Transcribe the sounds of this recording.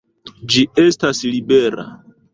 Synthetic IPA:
d͡ʒiestaslibe̞ɾa̰

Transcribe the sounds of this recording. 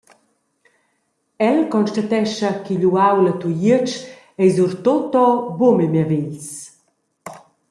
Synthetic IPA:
ɛlkɔnʃtat̪ɛʃɐkiʎuawlat̪ujit͡ʃ | ɛjzuɾt̪ot̪ɔbumɛmaviʎs

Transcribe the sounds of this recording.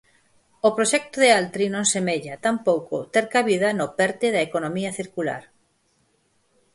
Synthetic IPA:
opɾoʃɛk̚t̪oðealt̪ɾinõŋsemeʎɐt̪ampowkʊ̰t̪eɾkaβiðɐnʊpɛɾt̪ɪðɐekonomiɐθiɾkula̰ɾ

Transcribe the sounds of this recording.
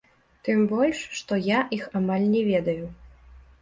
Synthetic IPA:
t̪ɨmbɔlʲʂːt̪ɔjaʔixamalʲnʲɛvʲɛd̪ɐju

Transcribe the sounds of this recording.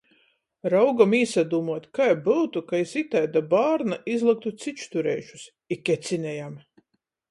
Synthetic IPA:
ɾawɡamiːsad̪uːmuɔt̪kajbɨwt̪ukajsit̪ajd̪abaːɾnaʔizlˠɨk̚t̪ut̪sit͡ʃt̪uɾɛ̰jʃu̥s | ikʲːɛt̪sinʲɛjam

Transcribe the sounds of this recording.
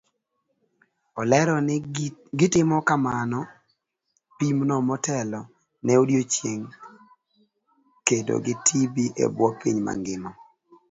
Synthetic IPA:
ɔlɛɾɔnɡɪtɪmɔkamanɔ | pimnɔmɔtɛlɔ | nɛodjot͡ʃjeŋ | kedo̰ɡɪtʰibiʔḛbwɔkiɲma̰ŋɡɪmɔ

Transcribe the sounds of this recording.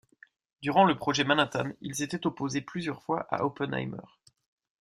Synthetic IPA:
d̪yʁɑ̃ləpχɔʒɛmanat̪anilzet̪ɛt̪ɔpozeplyzjœʁfwaʔa̰ʔopɛna̰jmœ̰ːʁ

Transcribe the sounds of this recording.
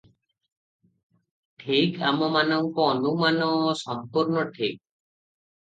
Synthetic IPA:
ʈʰikamɔmanɔŋkɔɔnumanɔsɔmpuɾnɔʈʰik̚

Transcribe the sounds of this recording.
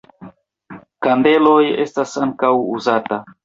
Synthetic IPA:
kande̞loje̞̰stasaŋkawuzata

